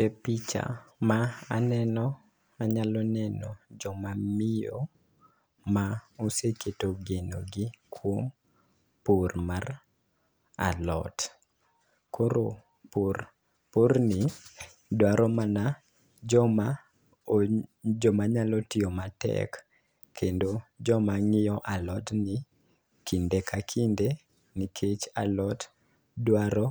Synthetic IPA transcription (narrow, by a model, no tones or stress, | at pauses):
epit͡ʃa̰maanɛnɔ | aɲalɔnɛnɔd͡ʒɔmamɪjo̰ | aoseketoɡenoɡikʰwom | pormar | a̰lɔ̰t | koɾo | por | pornɪ | dwaɾɔmana | d͡ʒɔma | d͡ʒɔmaɲalɔtɪomatɛ̰k | kːendod͡ʒɔmaŋɪjɔʔalɔtnɪ | kʰindekʰakʰinde | nikʰet͡ʃa̰lɔt | dwaɾɔ